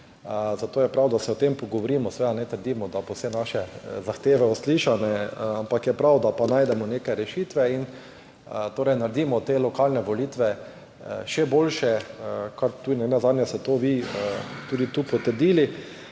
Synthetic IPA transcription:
zat̪oːjɛpɾawd̪asɛɔt̪empɔɡɔʋoɾiːmɔsʋeːd̪anɛt̪əɾd̪iːmɔd̪abowsɛnaʃɛzaxt̪eːʋɛɔsliʃanɛampakjɛpɾawd̪apanaːjd̪ɛmɔnekajɾɛʃiːt̪ʋɛin | t̪oːɾɛjnaɾd̪iːmɔt̪eːlɔkalnɛʋɔlit̪ʋɛ | ʃɛboːlʃɛkʰaɾt̪unɛnazad̪nʲjast̪ɛt̪oʋit̪uːd̪it̪uːpɔt̪əɾd̪ili

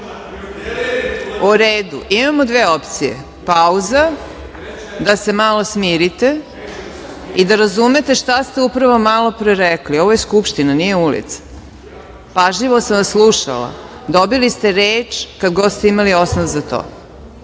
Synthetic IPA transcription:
uɾeːd̪uʔimamod̪ʋeːo̞pt̪sijḛ | pauza | d̪ase̞malo̞smiːɾit̪e | id̪aɾazume̞t̪e̞ʃt̪ast̪eupɾaʋo̞malo̞pɾeɾɛklio̞ʋojeskupʃt̪inanije̞ulḭt̪sḁ | paʒʎiʋosamʋaslˠuʃa̰la̰ | d̪obilist̪e̞ɾeːt͡ʃkad̪ɡod̪st̪eimalio̞snoʋzat̪o̰ː

